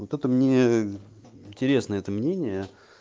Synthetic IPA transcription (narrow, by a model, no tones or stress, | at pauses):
ot̪ɛt̪əmnʲe | ɪnʲtʲɪɾʲe̞snəəɛt̪əmnʲenʲɪjə